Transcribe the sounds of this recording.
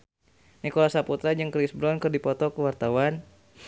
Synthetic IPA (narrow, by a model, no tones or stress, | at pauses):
nikɔlasaput̪ɾad͡ʒɨŋkɾisbɾɔnkɨrdipɔt̪ɔkəwart̪awan